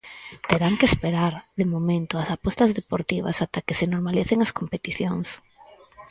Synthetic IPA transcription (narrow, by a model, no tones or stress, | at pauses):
t̪eɾaŋkespeɾaɾðemomẽnt̪oɐsapɔst̪ɐzðepoɾt̪iβ̞ɐ̰sat̪akesɪnoɾmaliθeŋɐskompet̪iθjoŋs